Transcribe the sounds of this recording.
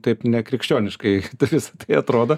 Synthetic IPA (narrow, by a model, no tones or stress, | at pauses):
t̪ɐɪpnʲɛkɾʲɪkʃʲt͡ʃʲoːnʲɪʃkɐɪt̪ʋʲɪsɐ̥t̪ɐɪɐt̪ɾoːd̪o